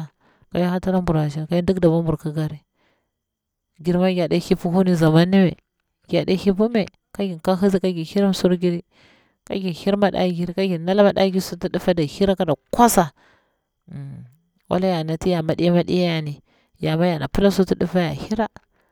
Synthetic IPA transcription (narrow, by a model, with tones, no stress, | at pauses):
ka˨ja˦a˦ta˦ɾa˦mbu˨ɾa˨ʃ̬a˦ka˦i˦du˦kda˨ba˦mbu˨ɾka˦ɡa˦ɾi˦ | ɡi˨ɾma˦ɡʲa˨da˦hi˦pu˦ɦu˦ni˦za˨ma˦nːi˦mḛ˨ | ɡʲa˨ɗa̰˦hi˦pu˦me˨ | ka˦ɡi˨nka˦ɦi˦zi˦ka˦ɡi˨hi˦ɾa˦m˦su˦ɾɡi˦ɾi˦ | ka̰˦ɡi˨hi˦ɾma˦ɗa̰˨˦ɡi˦ɾi˦ka˦ɡi˨na˦la˦ma˨da̰˦ɡi˦su˦ti˦di˦fa˦da˨hi˦ɾa˦ka˨da˨kʷa˦sa˨ | wa̰˦la˦ja˨na˨ti˦ja˨ma˨˦ɗḭ˦ja˦ma˦ɗḭ˦ja˦ja˨ni˨ | ja˨ma˦ja˨na˨pu˦la˦su˦ti˦di˦fa˦ja̰˨hi˦ɾa˦